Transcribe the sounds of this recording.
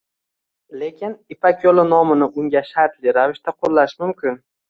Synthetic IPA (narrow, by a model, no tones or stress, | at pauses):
le̞kʲʰɪnɪpakʲʰolɪnɒmɪnɪʔʊŋɡʲaʃaɾt̪lɪɾavɪʃt̪aqʰolːaʃmʊmkʲɪn